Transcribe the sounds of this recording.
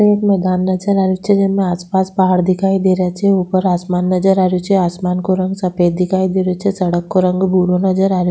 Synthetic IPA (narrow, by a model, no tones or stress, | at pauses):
eeːkmɛːd̪aːnːɐd͡ʒəɾaːɾjot͡ʃʰɛd͡ʒɛmẽaːspaːspaɦaːɽd̪ɪkʰaːid̪eːɾjat͡ʃʰɛupəɾaːsmaːnːəd͡ʒəɾaːɾjot͡ʃʰɛaːsmaːnkoɾɐ̃ŋɡsɐpeːd̪ɪkʰaːid̪eːɾot͡ʃʰɛsɐɽəkːoɾə̃ŋɡbuːɾonəd͡ʒəɾaːɾjo